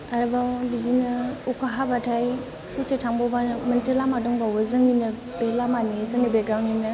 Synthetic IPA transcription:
aɾbawbizinɯukaɦabatʰaj | susetʰaŋbɔbanmɐnselamaduŋbawɯzɯŋninɯ | belamanizɯŋnibeɡɾawnimnɯ

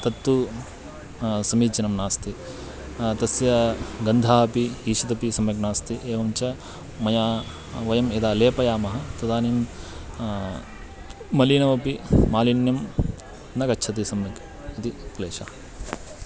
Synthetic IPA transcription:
t̪ɐt̪ːu | sɐmiːd͡ʒɐnɐmnaːst̪i | t̪ɐsjɐɡɐnd̪ʱaːɦɐpiiːʃɐt̪ɐpisɐmjɐknaːst̪iʔeːʋɐmt͡ʃɐ | mɐjaː | ʋɐjɐmeːd̪aːleːpɐjaːmɐɦɐ̆t̪ɐd̪aːnim | mɐlinɐʋɐpiːaːlinjɐm | nɐkɐtːʃʰɐt̪̬isɐmjɐk | ɐt̪ikleːʃa̰ːɐ

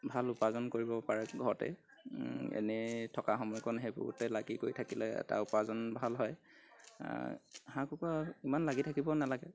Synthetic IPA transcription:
bʱalupazɔnkoɹibɔpaɹɛɡʱɔɹtɛ̰ | ḛnɛtʰɔkaɦɔmɔjkɔnɦebʊ̰ɡutɛlaɡikoɹitʰakilɛɛ̰ta̰upazɔnbʱalɦɔj | hãkukɔimanlaɡitʰakibɔnalaɡɛ

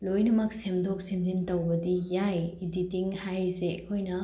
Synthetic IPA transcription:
lojnɐmɐk̚semdok̚simzintɐwbɐdijajiditiŋhajzekʰojnɐ

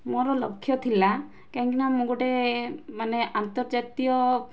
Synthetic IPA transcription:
mɔɾɔlɔkʰːjɔt̪ʰila | kaŋkinamoɡoʈemaneant̪ɔɾd͡ʒat̪ijɔ

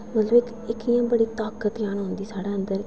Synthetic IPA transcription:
mət̪ləbɪk | ɪkijãːbəɽiːt̪aːkət̪jaːnɦʊ̃nd̪iːsaːɽaːənd̪əɾ

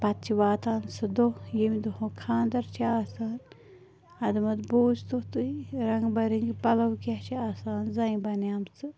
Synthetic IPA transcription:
pɐt̪̚t͡ʃʰiʋaːt̪aːnsɨd̪ojimid̪ohõkʰãːnd̪ɐɾt͡ʃʰiaːsaːn | ɐd̪mɐd̪boːzt̪ot̪uiɾɐŋɡbɐɾiŋɡpɐlɐwkaht͡ʃʰiaːsaːnzɐĩbɐnjaːmt͡sɨ

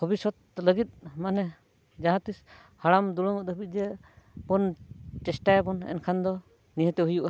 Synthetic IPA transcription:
ɔbisɔt̪̚ləɡit̪̚manɛ | d͡ʒaɦãt̪is | haɽamd̪uɽɔŋɔəbit̪̚ˀd͡ʒɛbɔnʈɛsʈajbɔnɛ̰nkʰand̪ɔ | niɦɛ̃t̪ɛɦujuʔa

